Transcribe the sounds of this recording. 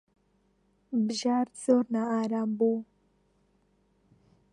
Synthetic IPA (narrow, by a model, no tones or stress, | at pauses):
bʒaɾt͡səɾnaaɾambu